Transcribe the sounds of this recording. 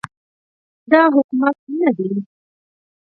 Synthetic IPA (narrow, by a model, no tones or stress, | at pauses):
d̪ɑɦʊkumat̪̚nad̪e